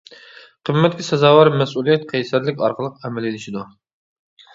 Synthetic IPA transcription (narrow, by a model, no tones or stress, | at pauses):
qʰəmːɛt̪̚kʲisɛzɑːwɑɾmɛsulˠijɛt̪qʰɛjsæɾlɪkʲɑ̰ɾqʰəlˠəqɛmɛlɪlɪʃid̪u